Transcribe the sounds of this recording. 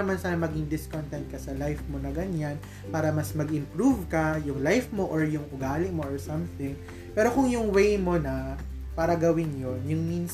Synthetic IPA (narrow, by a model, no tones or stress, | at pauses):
ɐmansaːlɐmɐɡɪŋd̪ɪskont̪ɛnt̪̚kɐsɐlajfmo̞nɐɡɐɲan | paːɾɐmɐsmɐɡʔɪ̃mpɾuvkɐjʊŋlajfmo̞ʔoɹjʊŋʔʊɡaːlɪmo̞ʔɔɹsɐmθɪŋ | pɛːɾo̞kʊŋjʊŋwejmo̞nɐ | paːɾɐɡɐwɪnjonjʊŋmins